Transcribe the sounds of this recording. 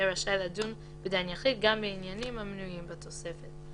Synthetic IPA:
eɾaʃaeladun | bed̪aanjaχit̚ɡambeinjanimhamnujimbat̪o̞se̞fet

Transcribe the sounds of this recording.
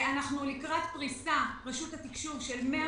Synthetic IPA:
anaχnulikʁat̪pʁisaʁeʃuthat̪ikʃuʁʃelmea

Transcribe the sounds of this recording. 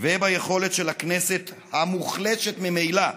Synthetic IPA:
vebajeχo̞le̞t̪ʃelakneset̪ | hamuχleʃet̪mimejla

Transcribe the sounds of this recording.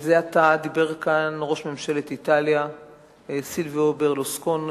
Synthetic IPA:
zeat̪ad̪ibe̞ʁkanʁo̞ʃmemʃelet̪it̪alja | silviobeʁloskon

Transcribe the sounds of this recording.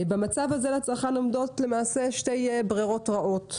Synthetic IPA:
bamat͡savhazelat͡saχano̞mdo̞tle̞maːse̞ʃte̞jbʁiʁo̞tʁaʔo̞t

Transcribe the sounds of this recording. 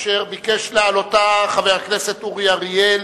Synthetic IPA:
ʃeʁbikeʃlealotaχaveʁakneset̪uʁjaʁjel

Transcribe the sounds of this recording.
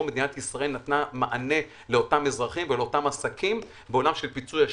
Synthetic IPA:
me̞d̪inat̪isʁae̞lnat̪namaʔane̞ | leo̞tamezʁaχimveleo̞tamasakʰim | beo̞lamʃe̞lpit͡suja

